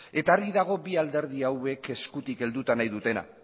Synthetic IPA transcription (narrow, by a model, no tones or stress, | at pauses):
e̞t̪arɣiðaɣ̞o̞biald̪e̞ɾð̞iawe̞ke̞skut̪ike̞ld̪ut̪anajðut̪e̞na̰